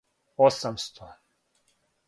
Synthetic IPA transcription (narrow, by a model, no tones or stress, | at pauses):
osamst̪ʰɔ